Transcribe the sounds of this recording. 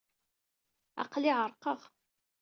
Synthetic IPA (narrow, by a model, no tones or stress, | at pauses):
ɑ̰qliʕəɾˤqəʁ